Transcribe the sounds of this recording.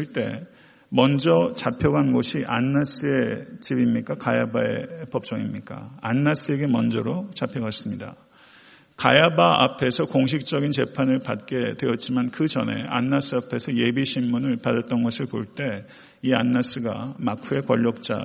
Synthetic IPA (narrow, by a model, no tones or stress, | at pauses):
iɭt͈e̞ | mʌnd͡ʑʌt͡ɕapʰjʌɡanɡoɕʰiʔanːas͈ɯe̞t͡ɕibimɲik͈akajabae̞̰pʌp̚t͡ɕ͈ʌŋimɲik͈a̰anːas͈ʰɯe̞ɡe̞mʌnd͡ʑʌɾot͡ɕapʰjʌɡas͈ɯmɲida̰ | kajabaʔa̰pʰe̞sʰʌkoŋɕ̬ʰik̚t͡ɕ͈ʌɡint͡ɕe̞pʰanɯɭpat̚k͈e̞dwe̞jʌt̚t͡ɕ͈imankɯt͡ɕʌ̰ne̞̰a̰nːas͈ɯapʰe̞sʰʌje̞biɕʰimmunɯɭpadat̚t͈ʌnɡʌsʰɯɭpoɭt͈e̞ | ianːas͈ɯɡa̰makʰue̞kwʌʎːʌk̚t͡ɕ͈a̰